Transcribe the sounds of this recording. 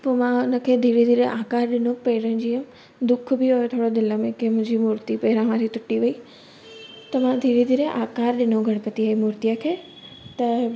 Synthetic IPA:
poːmãʊnə̆kʰeːd̪ʱiːɾid̪ʱiːɾəʔaːkaːɾɗɪnopɐɪɾə̃d͡ʑiːə̃ | d̪ʊkʰbɪɦojot̪ʰoːɽod̪ɪləmẽkemʊ̃ɦɪ̃ɲd͡ʑimuːɾt̪ipɐɦɪɾãʋãːd͡ʑit̪ʊʈiʋɐi | t̪ɐʋãd̪ʱiːɾid̪ʱiːɾeʔaːkaːɾɗɪnoɡʱɐɽ̃pɐt̪iaːɦimʊːɾt̪ijakʰeː | t̪ɐ

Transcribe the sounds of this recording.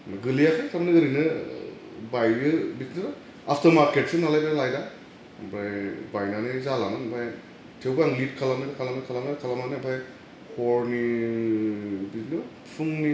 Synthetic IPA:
naɡɯliakʰajtʰamanɯɡɯɾinɯ | bajɯbitnɯɾ | apʰtɐɾmaɾket̚sɯnalajbalajda | bajbajnanɯzalamɯnbʰaj | tʰewbaaŋlit̚kʰalamnidakʰalamnikʰalamnakʰalamanibʰaj | hɔɾni | bitnɯ | pʰɯŋni

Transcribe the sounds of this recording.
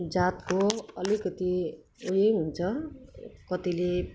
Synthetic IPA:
d͡zat̪koʌlikʌt̪i | ujejɦunt͡sʰʌ | kʌt̪ile

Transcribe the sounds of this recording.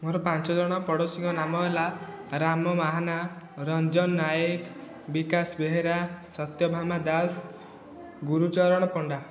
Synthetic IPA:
moɾɔpant͡ʃɔd͡ʒɔɽ̃ɔpɔɽosiŋkɔnamɔɦela | ɾamɔmaɦana | ɾɔnd͡ʒɔnːajek | bikasbeɦeɾasɔt̪jɔbʱamad̪as | ɡuɾut͡ʃɔɾɔɽ̃ɔpɔɳɖa

